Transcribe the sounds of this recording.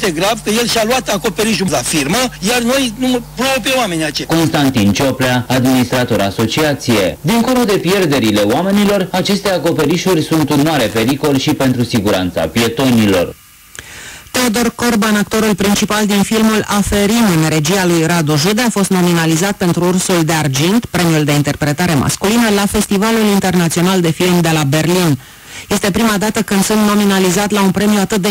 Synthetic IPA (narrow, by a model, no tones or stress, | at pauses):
t̪eɡɾavkəje̞lʃaluat̪ako̞pe̞ɾiʃ̬ulafirməjarno̞jnuməpɾobpewame̞niat͡ʃko̞nst̪ant̪int͡ʃo̞pleaːd̪minist̪ɾat̪o̞ɾaso̞t͡ʃiat̪sije̞d̪iŋko̞lod̪e̞pje̞rd̪e̞ɾile̞oame̞nilo̞rat͡ʃe̞st̪e̞ako̞pe̞ɾiʃurʲsunt̪unoaɾe̞pe̞ɾiko̞lʃipe̞nt̪ɾusiɡuɾa̰nt̪sa̰pje̞t̪o̞nilo̞̰r | t̪e̞od̪o̞rko̞rbanak̚t̪o̞ɾulpɾint͡ʃipald̪infilmulafe̞ɾimɨnre̞d͡ʒialujrad̪uʒud̪eafo̞st̪no̞minalizat̪̚pe̞nt̪ɾuursuld̪e̞ard͡ʒint̪pɾe̞miuld̪e̞int̪e̞rpɾe̞t̪aɾe̞mʔa̰skulinəlafe̞st̪ivalulint̪e̞rnat̪sio̞nald̪e̞filmd̪e̞labe̞rlin | je̞st̪e̞pɾimad̪at̪əkɨnd̪̥sunt̪no̞minalizat̪launpɾe̞miuat̪ɨt̪̚d̪e